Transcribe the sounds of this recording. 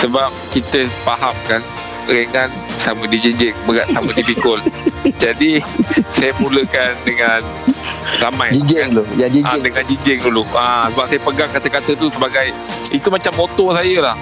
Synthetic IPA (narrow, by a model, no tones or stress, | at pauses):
səbap̚kit̪əpaɦamkan | ɾeŋan | samədid͡ʒiɲd͡ʒɪŋbəɡaʔsamə̃dipikʊld͡ʒadisajəmuləkandəŋan | ramãjd͡ʒid͡ʒɛŋlujad͡ʒiadəŋãnd͡ʒiɲd͡ʒɪŋduluasəbap̚sajəpəɡaŋkat̪əkat̪ət̪usəbaɡaj | it̪umat͡ʃamːot̪ɔsajəlah